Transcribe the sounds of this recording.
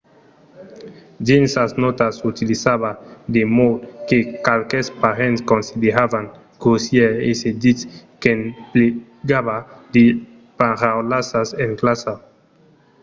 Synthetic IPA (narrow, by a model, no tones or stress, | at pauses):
d͡ʒinsaznɔt̪asut̪ilisaβad̪emowt̪kekalkespaɾenskonsid̪eɾavaŋ | ɡosjeesed̪it͡skenple | ɡaβad̪e | paɾawlasaseŋklasa